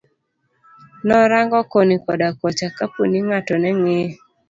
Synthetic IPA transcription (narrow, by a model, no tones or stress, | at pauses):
nɔɾaŋɡɔkonikɔdakɔt͡ʃakaponiŋatɔnɛŋe